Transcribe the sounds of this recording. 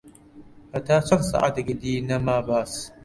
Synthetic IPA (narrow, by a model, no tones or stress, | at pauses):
katat͡ʃɐnsa̰ʔa̰daɡʲɪdiːnamaːbaːs